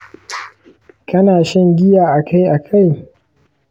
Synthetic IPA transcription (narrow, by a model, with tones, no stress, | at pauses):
kɐ˦naː˨ʃɪ˦ŋɡʲɪ˦jaː˨ʔa˨kʰa˦jʔa˨kʰa˦˨j